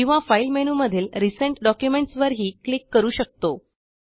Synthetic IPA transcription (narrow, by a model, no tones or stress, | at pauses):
ĩw̃ʋafailmenuːməd̪ʱiːlɾisəɳʈɖɔkjumeɳʈsʋəɾɦiːklikːəɾuːɕək̚t̪o